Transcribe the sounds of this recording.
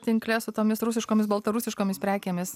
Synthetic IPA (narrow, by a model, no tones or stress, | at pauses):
t̪ʲɪŋklʲɛsʊt̪oːmʲɪsɾʊs̬ʲɪʃkoːmʲɪs̬bɐlˠt̪ɐɾusʲɪʃkoːmʲɪspʲɾʲæːkʲeːmʲɪs